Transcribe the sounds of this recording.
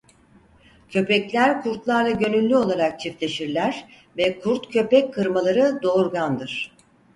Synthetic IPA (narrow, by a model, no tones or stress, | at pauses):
cʰø̞pɛclʲæɾkʰuɾt̪lˠaɾlˠaɟø̞nylʲːyo̞lˠaɾak̚t͡ʃʰift̪lʲe̞ʃiɾlʲæɾ̥ | vɛkʰuɾt̪cʰø̞pɛcʰːɯɾmalˠaɾɯd̪o̞ːɾɡand̪ɯɾ̥